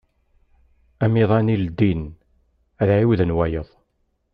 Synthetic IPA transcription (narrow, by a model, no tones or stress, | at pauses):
æmiðˤænild̪in | æðʕiwðənwæjəðˤ